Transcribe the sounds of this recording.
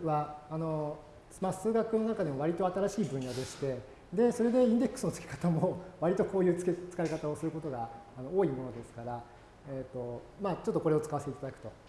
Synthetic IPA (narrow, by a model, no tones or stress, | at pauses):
βaːno̞ | maːsɨːɡakɯ̟no̞nakad̪e̞mo̞βaɾʲit̪o̞at̪aɾaɕiːbɯ̟̃ɰ̃jad̪e̞ɕi̥t̪e̞ | d̪e̞so̞ɾe̞d̪e̞ĩnd̪e̞kːɯ̟̥sɨno̞t͡sɨ̥kʲe̥kḁt̪amo̞βaɾʲit̪o̞ko̞ːjɯ̟ːt͡sket͡sɨ̥kaikat̪ao̞sɨɾɯ̟ko̞t̪o̞ɡaːno̞oːimo̞no̞d̪e̞sɨ̥kaɾa | et̪ːo̞maːt͡ɕo̞t̪ːo̞ko̞ɾe̞o̞t͡sɨ̥kaβaseteit̪ad̪akɯ̟̥t̪o̞